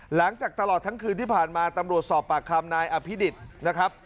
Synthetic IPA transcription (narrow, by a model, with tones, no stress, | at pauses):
la˩˦ŋt͡ɕaː˨˩k̚t̪a˧lɔː˨˩t̪ʰːa˦˥ŋkʰɯː˧nt̪iː˥˩pʰaː˨˩nmaː˧t̪a˧mɾu˨˩ət̪̚sɔː˨˩pːaː˨˩kʰːa˧mnaː˧jʔa˧pʰi˦˥di˨˩t̪̚na˦˥kʰɾa˦˥p̚